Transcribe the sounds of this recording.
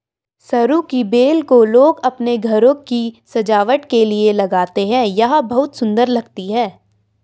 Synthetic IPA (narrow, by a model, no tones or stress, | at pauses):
sɐɾukibeːlkoloːɡɐpneɡʱɐɾõkisɐd͡ʒaːʋəʈkelielɐɡaːt̪eɦɛ̃ːjɐɦãbɐɦʊt̪sʊ̃nd̪əɾlɐɡt̪iɦɛː